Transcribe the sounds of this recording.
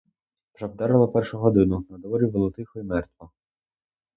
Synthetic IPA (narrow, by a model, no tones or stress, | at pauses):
pʒɐbd̪ɛɾɐlˠɐpɛrʃʊɦɔd̪ɪnʊnɐd̪ʋɔɾʲiʋɔlˠɔt̪ɪxɔjimɛrt̪ʋɔ